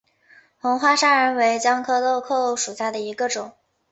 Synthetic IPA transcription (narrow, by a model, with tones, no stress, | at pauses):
xʊ˧˥ŋxwa˥ʂa˥ɻə˧˥nwe˧˥ɪt͡ɕjɑ˥ŋkʰɤ˥lo˥˧ʊkʰo˥˩ʊʂu˨˩ɕja˥˩d̪ə˩i˧˥ɡə˧ʈ͡ʂʊ˨˩˦ŋ